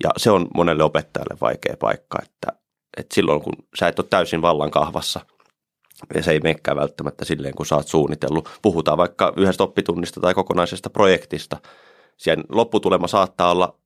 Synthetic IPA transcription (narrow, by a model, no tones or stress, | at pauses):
jɑ̰seonmʔonelːeopet̪ːɑjɑ̰lːḛʋʋɑ̰ikḛːpɑ̰ikːɑ̰ḛt̪ːæ̰ | ʔet̪silːʔo̰iŋkṵnsæˑet̪ːot̪t̪æysinʋɑlːɑŋkɑhʋɑ̰sːɑ | ɑ̰seimeːkːæ̰ːʋælt̪ːæmæt̪ːæsilːeːŋkusɑːt̪suːnːit̪ḛlːupuhut̪ɑːʋʋɑikːɑyhest̪opːit̪unːist̪ɑt̪ɑikokonɑisest̪ɑprojekt̪ist̪ɑ | sienlopːut̪ulemɑsɑːt̪ːɑːolːɑ̰